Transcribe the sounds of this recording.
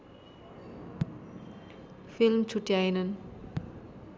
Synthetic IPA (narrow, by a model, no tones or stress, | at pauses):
filmt͡sʰuʈjajnʌn